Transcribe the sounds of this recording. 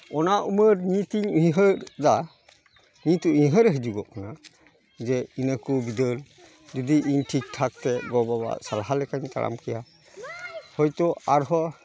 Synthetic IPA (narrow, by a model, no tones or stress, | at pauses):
ɔnaʔuməɾɲit̪iɲujɦəɾda | ɲit̪uujɦəɾɛɦɛd͡ʒuɡɔkana | d͡ʒɛinəkubid̪əɾ | d͡ʒud̪iʔiɲʈʰik̚tʰak̚t̪ɛɡɔbaba̰salaɦalɛkaɲt̪a̰ɾʔa̰mkʰɛja | hɔjt̪ɔaɾɦɔ